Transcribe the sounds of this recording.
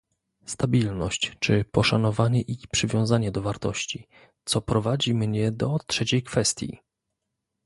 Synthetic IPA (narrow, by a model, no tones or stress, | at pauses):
st̪abʲilnɔɕt͡ɕt͡ʂɘpɔʂanɔvaɲɛʔipʂɘvʲjɔ̃w̃zaɲɛd̪ɔvaɾt̪ɔɕt͡ɕi | t̪sɔpɾɔvad͡ʑimɲɛd̪ɔtʂɛt͡ɕejkfɛst̪ʲjḭ